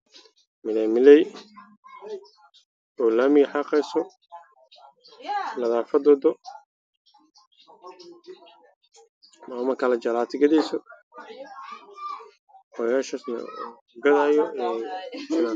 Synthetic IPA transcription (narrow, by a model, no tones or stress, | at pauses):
mɪlɛmɪlɛj | ɔːlaːmɪɣħɑːqɛjsɔ | lɐðaːfɐd̪ɔd̪ɔ | maːmɐkʰɐlɐt͡ʃɐlaːt̪ʰɪɡɐðɛjsɔ | wɔjaːʃɐsnɐ̰ | ɡɐðaːjɔɛ